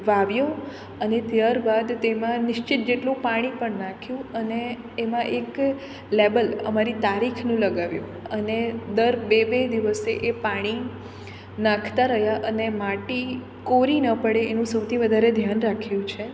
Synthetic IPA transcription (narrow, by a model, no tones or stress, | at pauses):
ʋaʋjo | ənet̪jaɾbad̪t̪emãnɪʃt͡ʃɪt̪̚d͡ʒeʈlũpaɽ̃ipəɳnãkʰjũəneː | mãʔek | lebələ̰maɾit̪aɾikʰnũləɡaʋjṵ̃əned̪əɾbebed̪iʋəseʔepaɽ̃i | nãkʰt̪aɾəɦjaʔənemaʈi | koɾinəpəɽeːnũsəwt̪ʰiʋəd̪ʱaɾed̪ʱjanɾakʰjũt͡ʃʰe